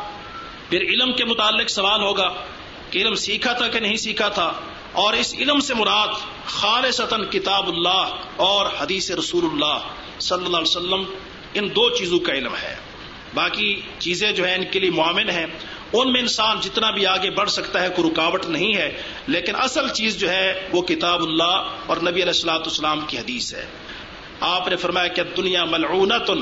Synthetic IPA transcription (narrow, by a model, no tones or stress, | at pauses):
pʰɪɾɪlmkemʊt̪aːlːɪksɐʋaːlɦoːɡaː | keɪlmsiːkʰat̪ʰakenɐɦĩsiːkʰat̪ʰaː | ɔːɾɪsɪ̰lmsemʊɾaːd̪ | xaːlɪsət̪ənkɪt̪aːbʊlːaːɦ | ɔːɾhɐd̪iːseɾɐsuːlʊlːaːɦ | sɐlːəlːaːlesəlːəm | ɪnd̪oːt͡ʃiːzõkaɪlmɦɛ̰ː | baːki | t͡ʃiːzẽd͡ʒoːɦɛɪnkeliemʊaːʋɪnɦɛ̃ː | ʊnmẽɪnsaːnd͡ʒɪt̪nabʱiaːɡebɐɽsɐkt̪aɦɛkʊɾʊkaːʋəʈ̪nɐɦĩɦɛː | leːkɪnʔɐsəlt͡ʃiːzd͡ʒoːɦɛʋokɪt̪aːbʊlːaːɔːɾnɐbiɐlɛːsɐlaːt̪ːsːəlaːmkiɦɐd̪iːsɦɛ̰ː | aːpnefɐɾmaːjakeɐd̪ːʊnɪjaːmɐlʕuːnat̪ʊn